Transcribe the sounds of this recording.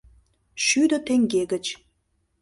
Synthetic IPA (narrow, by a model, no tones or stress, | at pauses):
ʃyd̪ə̆t̪eŋɡeɡət͡ɕ